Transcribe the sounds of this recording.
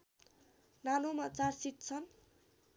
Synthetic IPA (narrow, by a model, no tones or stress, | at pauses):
nanomat͡sarsit̪̚t͡sʰʌn